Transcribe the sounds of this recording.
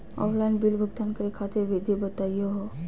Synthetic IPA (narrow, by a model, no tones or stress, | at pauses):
ɔ̰flanbilbʱəɡt̪ankəɾekʰat̪eʋed̪ʱibət̪ajɔɦɔ